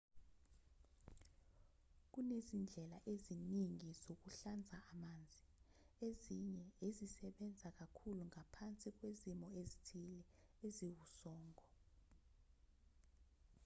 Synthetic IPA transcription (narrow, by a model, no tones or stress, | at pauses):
k̬unezind͡ɮʱɛlaʔeziniŋizok̬uɬand͡zʱaʔamaːnd͡zʱi | eziɲɛezisɛɓɛnd͡zʱak̬akʰuluŋapʰant͡sʼik̬wezimɔezitʰilɛ | eziwusɔːŋɔ